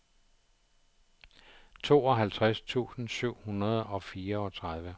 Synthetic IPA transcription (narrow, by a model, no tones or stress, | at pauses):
t͡sʰo̝̰ːɒ̽ɦælt͡sʰʁast͡sʰṵːsn̩syʊ̰hunɐð̞ˠɒ̽fiːɐɒ̽t͡sʰʁað̞ˠʋə